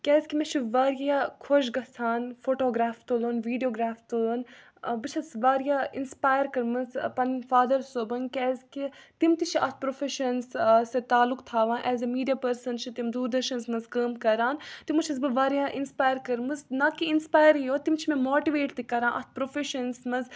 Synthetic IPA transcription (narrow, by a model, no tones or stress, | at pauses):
kʲɛːzkimɛ̃t͡ʃʰiʋaːɾijjakʰoʃɡɐsʰaːnfoːʈoːɡɾaːft̪olonʋiːɖijoːɡɾaːft̪ulun | bɨt͡ʃʰɐsʋaːɾijainspaːjəɾkɐɾmɨzpɐnfaːd̪ɐɾsoːbɐnkʲɛːzkit̪imt̪it͡ʃʰiʔɐt̪̚ʰpɾofeʃɐnsset̪aːlːukt̪ʰaːʋãːʔɛːzɐmiːɖijaːpɐɾsɐnt͡ʃʰit̪imd̪uːɾd̪ɐɾʃɐnsmɐzkəːmkɐɾaːnt̪imut͡ʃʰɐzbɨʋaːɾjaːʔinspaːjəɾkɐɾmɨznakiinspaːjəɾijoːt̪imt͡ʃʰimemoːʈiʋeːʈt̪ikɐɾãːnʔɐ̰t̪̚ʰpɾofeʃɐnsmɐz